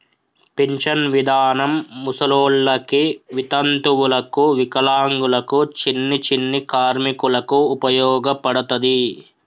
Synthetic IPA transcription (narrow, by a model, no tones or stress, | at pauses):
piɲt͡ʃɐnʋid̪ʱaːnɐmːusɐloːɭːɐkiʋit̪ɐnt̪uwulɐkuʋikɐlaːŋɡulɐkut͡ʃinːit͡ʃinːikaːɾmikulɐkuːpɐjɔːɡɐpɐɽɐt̪ɐd̪i